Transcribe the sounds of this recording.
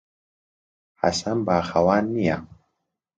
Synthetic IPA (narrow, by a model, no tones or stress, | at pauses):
ha̰sanbaːxɐwaːnːija